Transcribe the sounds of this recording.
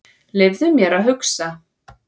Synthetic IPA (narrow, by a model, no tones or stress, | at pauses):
lɪvðʏmjɛɾaðɦʏksa